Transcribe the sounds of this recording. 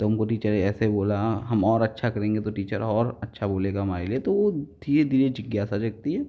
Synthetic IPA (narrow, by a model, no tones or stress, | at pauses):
t̪oʊmkoʈiːt͡ʃəɾɛːseboːlaɦɐmɔːɾɐtːʃʰakɐɾẽːŋɡet̪oʈiːt͡ʃəɾɔːɾɐtːʃʰaboːleːɡaɦɐmaːɾeliet̪oʋod̪ʱiːɾed̪ʱiːɾed͡ʒɪɡjaːsad͡ʒɐɡ̚t̪iɦɛː